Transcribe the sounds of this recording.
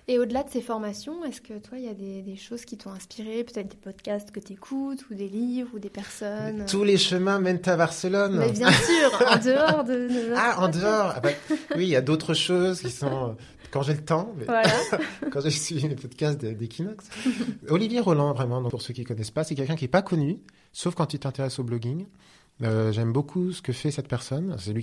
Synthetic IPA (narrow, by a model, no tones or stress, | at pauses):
eod̪əlad̪əsefɔʁmasjɔ̃ɛskət̪wailjad̪ed̪eʃozkʲit̪ɔ̃ɛ̃spiʁepø̥t̪ɛt̪χd̪epɔd̪kʲast̪kət̪yekʰut̪ud̪elivʁud̪epɛʁsɔnt̪uleʃəmɛ̃mɛnt̪abaʁsəlɔnmɛbjɛ̃syːʁɑ̃d̪əɔʁd̪ənaɑ̃d̪əɔʁa̰bawiljad̪ot̪χəʃozkʲisɔ̃ø | kɑ̃ʒelət̪ɑ̃mɛvwalakɑ̃ʒesɥivilepɔd̪kʲast̪̚d̪ed̪ekʲʰinɔksɔlivjeʁɔlɑ̃vʁɛmɑ̃d̪ɔ̃puʁsøkʲilkɔnɛspasɛkʲɛlkʲɛ̃kʲiɛpakɔny | sofkɑ̃t̪yt̪ɛ̃t̪eʁɛsoblɔɡiŋ | øʒɛmbokʰusə̥kəfɛsɛt̪pɛʁsɔnsɛlɥi